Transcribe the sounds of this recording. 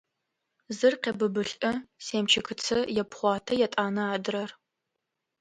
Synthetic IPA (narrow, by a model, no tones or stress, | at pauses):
zɨrqʲeːbɨbɨɬʼɐseːmt͡ʃʰɐkɨt͡sʰɐjɛpχʷɑːtʰɐjɛtʼaːnɐaːdɨrɐr